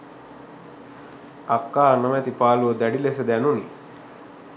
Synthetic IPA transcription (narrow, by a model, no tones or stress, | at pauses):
akːaːnəmæt̪ipaːluəd̪æɖilesed̪ænuni